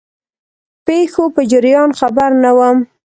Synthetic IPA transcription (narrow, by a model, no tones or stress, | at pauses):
pexopəd͡ʒɪɾjɑnxabaɾnawəm